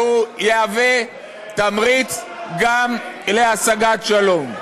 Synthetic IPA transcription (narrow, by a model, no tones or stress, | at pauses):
ujeave | t̪amʁit͡s | ɡamleasaɡat̪ʃalom